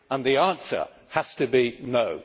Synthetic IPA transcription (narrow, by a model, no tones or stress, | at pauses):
ə̃nðiæ̃nsə̰˞ | həz̥tɨbinoʊ